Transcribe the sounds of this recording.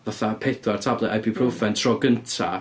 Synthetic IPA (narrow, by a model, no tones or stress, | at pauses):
vaθapʰeθwartʰablˠɛʔajbipʰrowfɛntʰrɔɡəntʰa̰